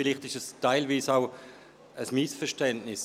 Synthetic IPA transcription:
fɪliχtɪʃəstaɪlviːsaʊ | əsmisfɛʁʃtɛntnɪs

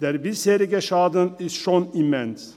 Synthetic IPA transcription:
d̥̪eːɾbɪsheːɾɪɡəʃaːd̪ənɪst̪ʃoːnimɛns

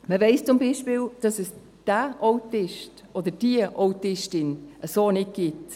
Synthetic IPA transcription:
məvɛɪst͡sʊmbiːʃpiːld̥ɑsəs | d̥aʔoʊtɪʃt | ʔodəd̥iəʔowtɪʃtɪnʔəsoːnɪt̚ɡ̥ɪt

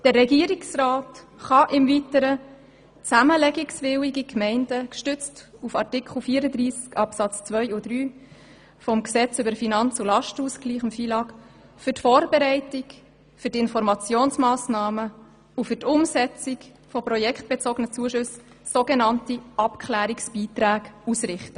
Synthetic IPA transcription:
d̥ərːɛɡiəɾiksraːtχɑʔɪmvitəɾə | t͡sæməlɛɡiksvɪwiɡikmɛɪndəkʃtʏt͡stufɑrtɪkχl̩fiːəɾəd̪ɾiːskɑpsɑt͡st͡svœʏud̥ɾyː | fɔmksɛt͡sʏbəɾfinɑnt͡sulɑʃtuskliːχɪmfiːlɑːk | fʏtfoːɾbeɾɛɪtik | fʏɾtɪnfɔɾmɑt͡sjoːnsmɑːsnɑːmə | ufʏtʊmsɛt͡sɪk | fɔpɾɔjɛkχt̚b̥et͡soːɡənət͡suəʃʉs | soɡenɑntiʔɑpkʰχlæːɾiksb̥iːt̪ɾæːɡusɾɪχtə

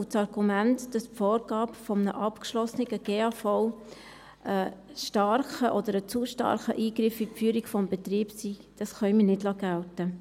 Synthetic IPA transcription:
ʊt͡sɑɾɡumæntd̥ɑspfoːɾɡɑːpfɔmənəʔɑpkʃlɔsnɪɡ̥əɡ̥eːɑfɔʊ | ʔəʃtɑɾχəʔɔd̪əɾət͡suʃtɑ̰ɾχə̰ʔiːɡɾɪfipfyːɾikfɔmbɛt̪riːbsid̥ɑsχœʏmənɪdlɑːɡ̥æltə

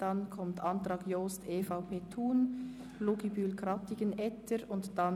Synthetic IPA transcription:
d̥ɑnkʰɔmtʰɑntɾɑːkjoːstʰeːfaʊpʰeːtʰuːn | luɡibyːlkɾɑtɪɡənɛtʰəɾʊntd̥ɑn

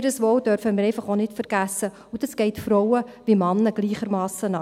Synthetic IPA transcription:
ɾəsʋowd̥œɾfəmɪɾɛɪfɑχonɪtfəɾɡ̥æsːə | ud̥ɑsɡ̥ɛɪtfɾɔwəʋimɑnːəɡ̥liːχəɾmɑːsənɑ

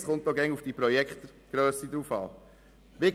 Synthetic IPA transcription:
sʁõnt̪ɔɡɛ̃ŋufd̪ipɾɔjɛkt̪ | ɡ̥ɾøsid̪ɾufa̰lˠ | bek

